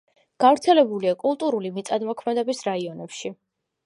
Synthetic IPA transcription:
ɡ̥avɾt̪sʰɛlɛbuliakʼulˠt̪ʼuɾulimit̪sʼad̪mɔkʰmɛd̪ɛbisɾaiɔnɛpʃi

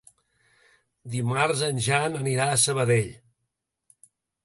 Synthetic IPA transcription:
d̪imarzənʲʒanəniɾaəsəβəðeʎ

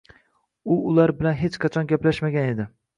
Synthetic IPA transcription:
ʊʊlaɾbɪlanɦet͡ʃqʰɑt͡ʃʰɒnɡʲaplaʃmaɡʲane̞d̪ɪ

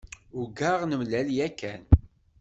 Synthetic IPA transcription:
ʊɡaʁnəmlæljækːæn

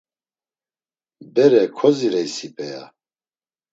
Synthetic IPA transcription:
bɛɾɛkʰɔziɾɛjsipʼɛja̰

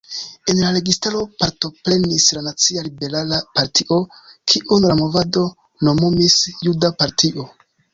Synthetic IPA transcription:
e̞nlaɾe̞ɡistaɾo̞paɾto̞pɾe̞nislanat͡sialibe̞ɾalapaɾtʰiʔo̞kʰiʔunlamo̞vado̞ | no̞momisjudapaɾtʰiʔo̞

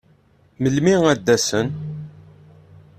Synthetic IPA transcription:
məlmiŋæd̪ːæsən

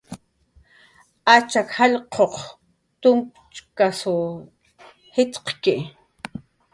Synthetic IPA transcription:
at͡ʃakhaʎqʰoq | t̪ʊmp | t͡ʃkasʊ | hɪt̪qkɪ

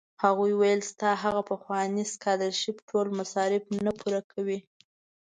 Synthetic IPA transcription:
haɣujwajəlst̪ɑɦaɣapəxwɑniskɑd̪əɾʃɪpʈʰolmasɑɾɪbnapʰuɾakʰawi

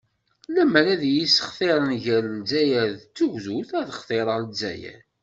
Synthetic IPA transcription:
læməɾæðjisə̥χθeɾˤənʝælzæjæðt͡sːuʝzuθæðəχθˤeɾˤəɾzæ̰jæ̰

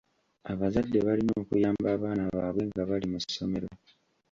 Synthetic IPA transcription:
aβazadːeβalinoːkujaːmbaːβaːnaβaːβwe̞ŋɡaβalimussːo̞me̞ɾo

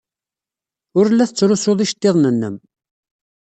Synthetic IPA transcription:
ʊɾlːæθət͡sːɾʊsoðˤiʃə̥t̪ːeðˤnənːəm

